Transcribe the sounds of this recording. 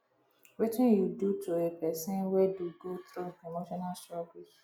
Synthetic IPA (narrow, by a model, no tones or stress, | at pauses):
wetɪ̃njudutʰuepɛsɛ̃nwɛduɡot̪ɾuemoʃɔnalstɾɔɡi